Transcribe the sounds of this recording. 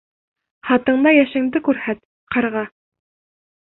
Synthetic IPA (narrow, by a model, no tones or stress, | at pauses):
χɑt̪ɤ̆ɴd̪ɑjæʃɘ̆ŋd̪ɘkʉɾhæt̪̚ | qʰɑɾʁɑ